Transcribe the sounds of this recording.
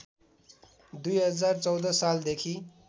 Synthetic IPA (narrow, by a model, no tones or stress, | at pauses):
d̪ujɦʌd͡zart͡sʌwd̪ʌsald̪ekʰi